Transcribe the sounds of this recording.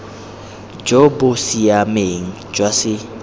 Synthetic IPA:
d͡ʒobʊsiameŋ̩d͡ʒwasɪ

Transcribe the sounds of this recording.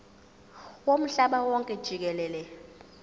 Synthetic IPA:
wom̩ɬaɓawɔŋkʼɛd̥ʒ̥ʱik̬ɛlɛːlɛ

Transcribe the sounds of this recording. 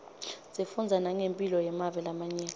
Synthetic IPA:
zifund͡zʱanaŋempʼilɔjɛmavɛlamaɲɛːn

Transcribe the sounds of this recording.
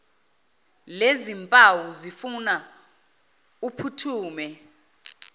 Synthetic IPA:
lezimpʼawuzifuna | upʰutʰuːmɛ

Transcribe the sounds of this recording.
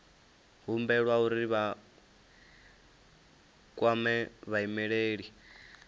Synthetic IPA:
ɦumbɛɺwauɾiβa | kʼwamɛβaimɛɺeːɺi

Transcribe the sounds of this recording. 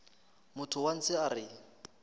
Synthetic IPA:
mʊtʰʊwan̩t͡sʰɪarɪ

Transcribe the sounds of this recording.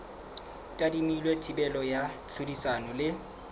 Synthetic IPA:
tʼadimilwetʰibɛlɔjaɬʰodisanɔlɪ

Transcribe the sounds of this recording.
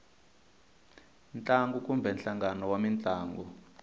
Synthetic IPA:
nt͡ɬʼaŋɡukʼumbʱɛnɬaŋɡanɔwamint͡ɬʼaːŋɡɔ

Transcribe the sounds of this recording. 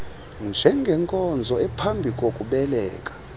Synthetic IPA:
nd͡ʒʱɛŋɡʱɛŋkʼɔnd͡zʱɔɛpʰambʱikʼokʼuɓɛlɛːkʼḁ

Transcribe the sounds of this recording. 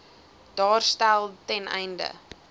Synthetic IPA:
d̥ɑːrstælˠtɛnɛ̰jndə̰

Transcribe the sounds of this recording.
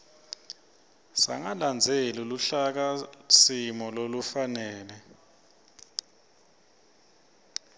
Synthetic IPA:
sa̰ŋaland͡zʱeluluɬak̬asimɔlolufanɛːlɛ

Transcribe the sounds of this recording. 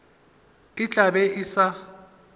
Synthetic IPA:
ɪt͡ɬʼabɛʔɪsa

